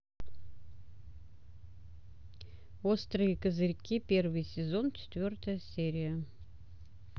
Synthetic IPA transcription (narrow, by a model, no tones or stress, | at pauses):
ost̪ɾɨjəkəzɨɾʲkʲipʲe̞rvɨjsʲɪzo̞nt͡ɕɪ̥t̪vʲo̞rt̪əjəsʲeɾʲɪjə